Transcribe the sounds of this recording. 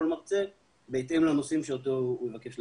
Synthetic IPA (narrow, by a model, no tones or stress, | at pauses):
olmaʁt͡se | beːt̪emlanosimʃeotoːmevake̞ʃl